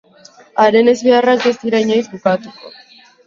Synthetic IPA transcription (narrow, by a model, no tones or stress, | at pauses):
aɾe̞ne̞zβearakbest̪iɾajɲajzbukat̪uko̞̰